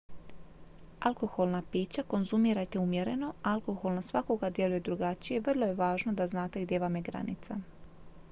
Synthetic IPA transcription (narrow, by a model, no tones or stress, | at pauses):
alˠko̞xo̞lˠnapiːt͡ɕako̞nzumiːɾajt̪eumje̞ɾe̞no̞aalˠko̞xo̞lnasʋako̞ɡad̪je̞luje̞d̪ɾuɡat͡ʃije̞ʋrlo̞je̞ʋaːʒno̞d̪aznaːt̪e̞ɡd̪je̞ʋameɡɾa̰nḭt̪sa